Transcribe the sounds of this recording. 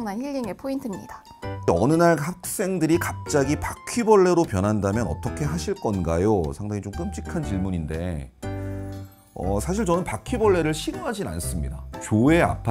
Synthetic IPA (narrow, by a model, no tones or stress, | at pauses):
ŋnançiʎɡiŋepʰointʰɯmɲḭd̥ḁ | ʌnɯnaɭhak̚s͈e̞ŋdɯɾikap̚t͡ɕ͈aɡipakʰibʌɭːe̞ɾopjʌnɦandamjʌnʌ̰t͈ʌkʰe̞ɦaɕʰiɭk͈ʌnɡajosʰaŋdaŋit͡ɕomk͈ɯmt͡ɕ͈ikʰant͡ɕiɭmuɲinde̞ | ʌ̰sʰaɕ̬ʰiɭt͡ɕʌnɯnpakʰibʌɭːe̞ɾɯɭɕʰiɡɯmɦad͡ʑina̰ns͈ɯmɲida̰t͡ɕoe̞a̰pʰa